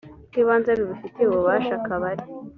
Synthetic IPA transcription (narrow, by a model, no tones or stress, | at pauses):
kiːβaːnzaβiβifiteuβuβaːʃakaβaɾi